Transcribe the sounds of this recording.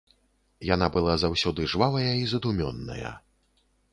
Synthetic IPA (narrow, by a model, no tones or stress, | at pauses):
janabɨlˠazawsʲɔd̪ɨʐvavɐjɐizɐd̪umʲɔ̰nːɐ̰jɐ̰